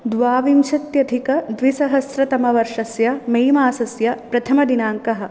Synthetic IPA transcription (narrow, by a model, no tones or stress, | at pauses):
d̪ʋaːʋimʃɐt̪jɐd̪ʱikɐd̪ʋisɐɦɐsɾɐt̪ɐmɐʋɐɾʂɐsjɐmejmaːsɐsjɐpɾɐt̪ʰɐmɐd̪inaːŋkɐɦɐ̆